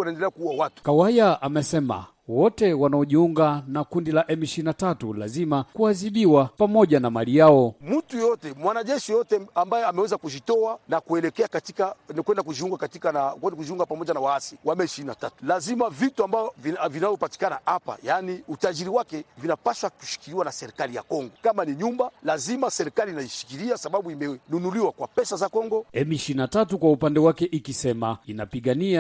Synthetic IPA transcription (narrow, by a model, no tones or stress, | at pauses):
wanaɛndɛlɛakuuwawatu̥kawajaʔamɛsɛma̰ | wɔtɛwanaɔʄiuŋɡanakundilaʔɛmiʃiinatatṵla̰zimakuaziɓiwapamɔʄanamalijaɔmm̩tujjɔtɛmwanaʄɛʃijɔtɛambajɛamɛwɛzakud͡ʒitɔanakuɛlɛkɛakatikankwɛndakud͡ʒiuŋɡakatikanakwɛndkud͡ʒiuŋɡapamɔʄanawaasiwamɛʃiinatatu̥lazimavituambajɔvivinavɔpati̥kanaapa̰janiutaʄiɾiwakɛvinapaʃwaku̥ʃi̥kiɾiwanasɛɾikalija̰kɔŋɡɔkamaniɲumbalazimasɛɾikalinaiʃi̥kiɾiasaɓaɓuimɛnunuliwakwapɛsazakɔŋɡɔɛmiʃinatatukwaupandɛwakɛʔikisɛmainapiɠania